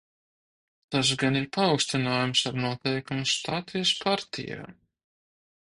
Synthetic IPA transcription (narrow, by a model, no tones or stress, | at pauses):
t̪asɡaniɾpaɔwksʲt̪inaːjumsaɾnuɔt̪ɛjkumust̪at̪ijspʰaɾt̪ʰḭja̰ː